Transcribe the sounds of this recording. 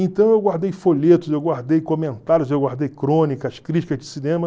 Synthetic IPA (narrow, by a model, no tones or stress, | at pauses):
ẽnt̪ɐ̃w̃ewɡwaɾd̪ejfoʎet̪ʊzewɡwaɾd̪ejkomẽnt̪aɾjʊzewɡwaɾd̪ejkɾõnikɐskɾit͡ʃi̥kɐzd͡ʒɪsinẽmɐ